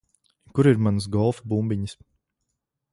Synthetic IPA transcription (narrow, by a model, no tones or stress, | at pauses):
kuɾiɾmansɡɔlˠfbumbiɲəs